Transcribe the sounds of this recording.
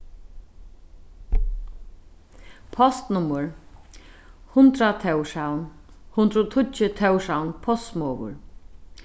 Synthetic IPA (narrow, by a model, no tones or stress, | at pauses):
pʰɔst̪nʊməɹ | hʊnt̪ɾat̪ʰɛwʂawn | hʊnd̪ɾɔt̪ʰʊt͡ʃət̪ʰɛwʂawnpʰɔst̪mɔːʋʊ̰ɹ